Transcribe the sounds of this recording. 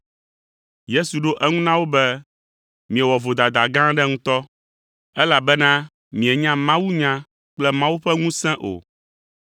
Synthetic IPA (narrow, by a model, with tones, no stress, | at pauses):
je˦su˨ɖo˦ʔɛ˦ŋũ˦nã˦wo˦bɛ˦ | mĩ˨ɛ˨wɔ˨vo˨d̪a˨d̪a˨ɡã˦ɖɛ˦ŋũ˦t̪ɔ˦ | ɛ˦la˨bɛ˦nã˦ | mĩ˨ɛ˨ɲã˦mã˦wu˦ɲã˦ | k͡plɛ˦mã˦wu˦ɸɛ˦ŋũ˦sɛ̃˦ʔo̰˨